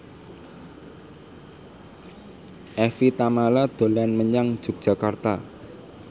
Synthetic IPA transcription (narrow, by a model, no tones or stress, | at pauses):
ʔɛfit̪amalad̪̥o̤lanməɲaŋd̥d͡ʒ̥ṳk̚d̥ʒ̥a̤kart̪a